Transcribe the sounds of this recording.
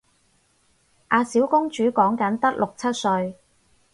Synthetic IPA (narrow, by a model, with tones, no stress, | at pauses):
ʔaː˧siː˨˥wkʊ˥ŋt͡ʃyː˨˥kɔː˨˥ŋkɐ˨˥nt̪ɐ˥k̚lʔʊ˨k̚t͡sʰɐ˥t̚sɵ˧ɥ